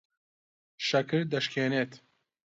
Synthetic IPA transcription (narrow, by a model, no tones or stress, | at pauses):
ʃɐkʰɨɾd̪ɐʃkʰeːnet̪